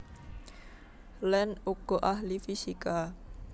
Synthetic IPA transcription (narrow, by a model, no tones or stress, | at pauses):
lɛnuɡ̥ɔʔaɦlifisika